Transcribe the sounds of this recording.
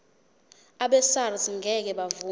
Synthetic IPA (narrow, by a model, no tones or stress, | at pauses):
aɓɛsarsŋɡʱɛk̬ɛɓavu